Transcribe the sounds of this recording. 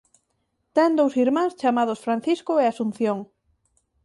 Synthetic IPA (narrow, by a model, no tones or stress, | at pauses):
t̪ɛnd̪owsiɾmãŋst͡ʃamaðʊsfɾanθiskʊeasun̟θjoŋ